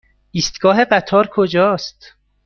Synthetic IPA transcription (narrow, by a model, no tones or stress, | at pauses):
ʔiːst̪ɡɒːɦe̞ɢæt̪ʰɒːɾkʰod͡ʒɒːst̪